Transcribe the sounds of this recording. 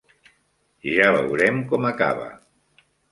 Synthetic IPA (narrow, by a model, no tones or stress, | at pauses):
ʒaβə̰wɾɛmkɔmaka̰βə̰